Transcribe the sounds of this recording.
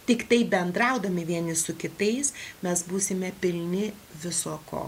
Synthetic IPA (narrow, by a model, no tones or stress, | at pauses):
t̪ʲɪkt̪ɐɪbʲɛnd̪ɾɐʊd̪ɐmʲɪʋʲiɛnʲɪsʊkʲɪt̪ɐɪsmʲɛsbuːsʲɪmʲɛpʲɪlʲnʲɪ | ʋʲɪsoːko̰ː